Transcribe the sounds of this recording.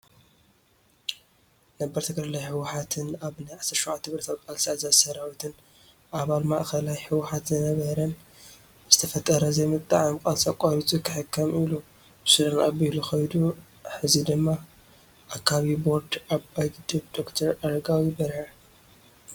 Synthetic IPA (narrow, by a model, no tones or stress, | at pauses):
nɐbɐɾt̪ʰɨɡʼɾalajħɨwħat̪ʰɨnaβnajʕasːɐɾʃowʕat̪ːɨβɾɐt̪aβkʼalsiazasɐɾawit̪ʰɨn | ʔaβalmaʔxɐlajħɨwħat̪zɨnɐβɐɾɐn | z̥ɨt̪ʰɐfɐt̪ʼːɐɾɐzɐjmɨt̪ʼːa̰ʕamkʼalsakʷʼaɾit̪ʼukʰɨħɨkʰːɐmilu | bɨsɨɾɨnabiluxɐjd̪u | ħɨzid̪ɨmːa | ʔakʰːaβibo̞ɾd̪ʔaβajɡɨd̪ʼɨbd̪̥okt̪ʰɐɾaɾɐɡawibɐɾħa